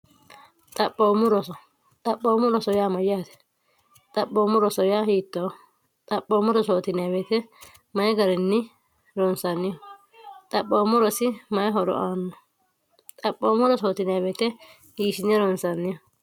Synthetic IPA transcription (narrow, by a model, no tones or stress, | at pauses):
t̪ʼɐpʼːoːmʊɾɔsɔ | t̪ʼɐpʼːoːmʊɾɔsɔjaːmɐjaːt̪ɛ̥ | t̪ʼɐpːoːmʊɾɔsɔjaːhiːt̪ːo | t̪ʼɐpːoːmʊɾɔsoːt̪ɪnɐbɛt̪ɛ | mɐjɛɡɐɾɪnːɪ | ɾɔnsɐnːɪjɔ | t̪ʼɐpʼːoːmʊɾɔsɪmɐjɦɔɾɔ̰ʔaːnːɔ | t̪ʼɐpːoːmʊɾɔsoːt̪ɪnɐbɛt̪ɛ | hiːʃɪnɛɾɔnsɐnːɪjɔ